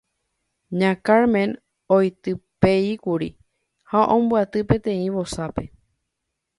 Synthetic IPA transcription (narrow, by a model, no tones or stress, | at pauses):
ɲãkaɾmẽn | ojt̪ɨpeikuɾḭ | haʔõmbuat̪ɨpẽ̞t̪ẽ̞ĩʋosape̞